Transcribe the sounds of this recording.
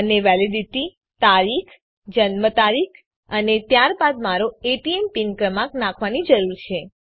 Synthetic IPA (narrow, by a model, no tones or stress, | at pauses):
əneʋɛlidiʈi | t̪aɾikʰ | d͡ʒənmət̪aɾikʰ | ənet̪jaɾbad̪maɾoeʈiempinkɾəmaknãkʰʋanid͡ʒəɾuɾt͡ʃʰe